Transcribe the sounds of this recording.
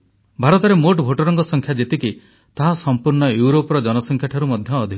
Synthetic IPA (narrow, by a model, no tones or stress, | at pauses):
bʱaɾɔt̪ɔɾemoʈbʱoʈɔɾɔŋkɔsɔŋkʰjad͡ʒet̪iki | t̪aɦasɔmpuɾɳɔjuɾopɾɔd͡ʒɔnɔsɔŋkʰjaʈʰɔɾumɔd̪ʱjɔːd̪ʱi